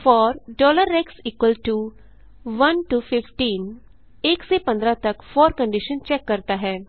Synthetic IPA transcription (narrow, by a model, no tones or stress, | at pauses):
fɔːɾɖɔːləɾːɛːksiːkwəlʈu | ʋɐnʈufʰɪfʈiːn | eːksepə̃nd̪ɾat̪ɐkfɔːɾkə̃ɳɖɪʃə̃nt͡ʃɛːkːɐɾt̪aɦɛː